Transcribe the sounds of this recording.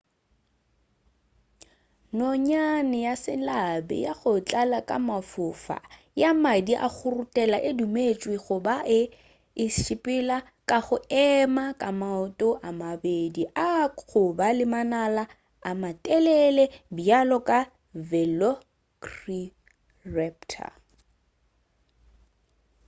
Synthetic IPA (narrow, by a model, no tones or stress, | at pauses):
nɔɲanɪjasɪlabɛ̰jaχʊt͡ɬʼalakʼa̰mafʊfa̰ | jamadiʔa̰ɣʊrutʼɛlaʔɪdumet͡ʃʼwɪɣʊbaʔɪ | ɪʃipʼɪla | kʼaχʊɛmakʼamaʊtʼɔʔamabediʔaχʊbalɪmanalaː | matʼɛlɛlɛbialɔkʼa | vɛlɔ | kri | rɛptʰa̰